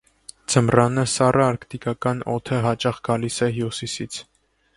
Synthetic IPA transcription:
d͡zʰəmrɑnəsɑrʔəɑɾkt̪ikɑkɑnɔ̰t̪ʰəɦɑt͡ʃɑχɡ̥ɑlisɛɦjusisit͡sʰ

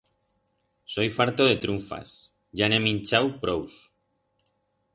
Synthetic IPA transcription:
so̞jfaɾt̪oð̞e̞t̪ɾuɱfa̰s | ʝanemĩnt͡ʃawpɾows

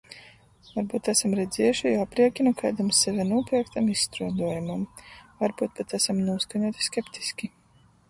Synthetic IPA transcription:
vaɾbuːt̪æsamɾɛd̪zɛjuʃijapɾiɛkʲinukajd̪amsːɛvʲɛnuɔpʲiɛkt̪amisst̪ɾuɔd̪uɔjumamvaɾbuːt̪̚pɛt̪æsamnuɔskaɲuɔt̪i̥skʲɛpt̪i̥sʲkʲi

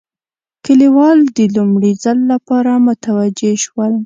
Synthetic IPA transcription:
kəliwɑld̪əlumɽizalːapɑɾamʊt̪awad͡ʒeʃwəl

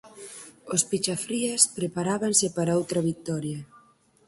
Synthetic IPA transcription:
ospit͡ʃafɾiespɾepaɾaβansepaɾaowt̪ɾɐβik̚t̪ɔɾjɐ

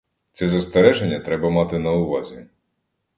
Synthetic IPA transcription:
t̪sɛzɐst̪eɾɛʒenʲːɐt̪ɾɛbɐmɑt̪ɪnɐʊʋɑzʲi

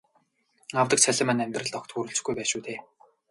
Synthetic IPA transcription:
awt̪ə̆k̚t͡ɕʰæɮʲɪ̆mæ̆ːnæmʲt̪rə̆ɮt̪ɔkt̪xuɾɵ̆ɬt͡ɕ̆xɡujpæːʃuːt̪eː

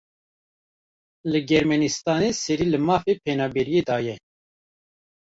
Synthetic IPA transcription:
lɨɡɛɾmɛnist̪ɑːneːsɛɾiːlɨmɑːfeːpʰɛnɑːbɛɾijeːd̪ɑːjɛ

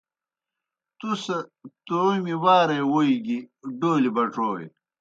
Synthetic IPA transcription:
t̪usɐt̪oɾmiwaːɾewoiɡiɖoːlibɐʈ͡ʂoːḛ

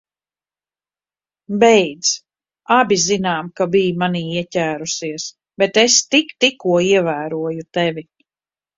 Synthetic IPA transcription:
bɛjd̪z̥ | abʲizinaːmkabijmaniːiɛcʲæːɾusiɛs | bɛt̪est̪ikt̪ikːuɔiɛvæːɾuɔjut̪ɛvʲi

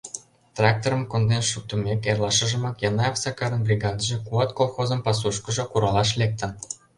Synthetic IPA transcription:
t̪rɑk̚t̪oɾəmkond̪enʃuk̚t̪umʲekerlˠɑʃə̆ʒə̆mɑkjɑnɑɑfsɑkɑɾənbrʲiɡɑd̪əʒĕkuɑt̪kolˠxozə̆mpɑs̬uʃkə̆ʒɤ̆kuɾɑlɑʃlek̚t̪ə̆n

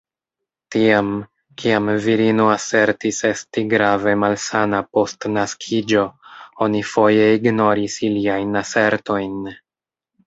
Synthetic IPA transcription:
tiam | kiamviɾinoase̞ɾtise̞stiɡɾave̞malsanapo̞stnaskʰid͡ʒo̞o̞nifo̞je̞iɡno̞ɾisiliajnase̞ɾto̞jn

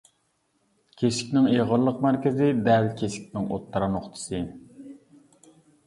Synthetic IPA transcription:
kʲʰesɪ̥kʲnɪŋeʁəɾlˠːəqmæɾkʲɪzɪd̪ɛlkʲʰesɪ̥kʲnɪŋot̪ʰːɑɾɑnoχt̪ʰɨ̥sɨ

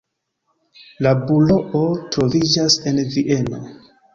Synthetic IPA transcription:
labulo̞ʔotɾo̞vid͡ʒase̞nviʔe̞no̞

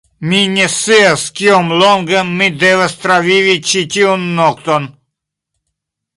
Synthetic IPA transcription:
minʲɛsiaskiomlɔŋɡəːid̪ɛvast̪ɾavʲiʋit͡ʃitʲiunːɔkt̪on

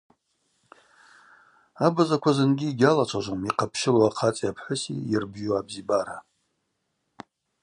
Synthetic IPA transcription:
abazakʷʰazɨnɡʲiːɡʲalat͡ʃʷʰaʒʷomiqʰapʰʃɪloaqʰat͡sʼiapʰħʷʊsḭirbʒuabzibaɾa

